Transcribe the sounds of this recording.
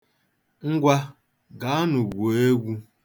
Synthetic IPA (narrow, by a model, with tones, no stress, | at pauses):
ŋ̩˦ɡʷa˦ | ɡa˨˦a˦nʊ˨ɡʷo˨e˦ɡʷu˦